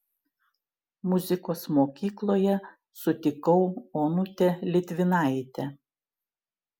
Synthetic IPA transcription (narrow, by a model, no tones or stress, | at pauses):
mʊzʲɪkoːsmoːkʲiːklˠoːjɛ | sʊt̪ʲɪkɐʊoːnʊt̪ʲelʲɪt̪ʲʋʲɪnɑˑɪt̪ʲɛ